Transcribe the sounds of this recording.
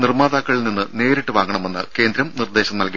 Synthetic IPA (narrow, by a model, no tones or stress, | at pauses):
nirmaːd̪aːkːɐɭilninːɨne̞ːɾiʈːɨʋaːŋɡɐɳɐme̞nːɨ̰ke̞ːnd̪ɾɐmnird̪e̞ːɕɐmnɐlki